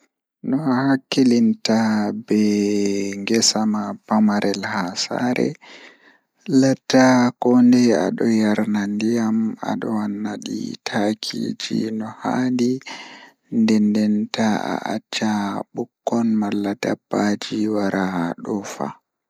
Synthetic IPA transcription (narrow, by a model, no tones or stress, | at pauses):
nɔhakːilintabɛ | ŋɡɛsamabamaɾɛlhasa̰ːɾɛ̰ | latːakɔndɛa̰ɗɔjaɾnandijama̰ɗɔwanːaɗḭtʰakʰḭd͡ʒḭnɔhaːndi | ndɛndɛntaa̰ʔa̰t͡ʃːaɓukːɔnmalːadabːad͡ʒiwaɾaɗɔfa̰